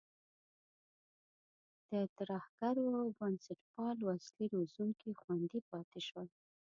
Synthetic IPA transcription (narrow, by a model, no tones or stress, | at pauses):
d̪̥ət̪aɾahɡ̥aɾobansaʈpɑlwasliɾozuŋkixwand̪ipɑt̪eʃwəl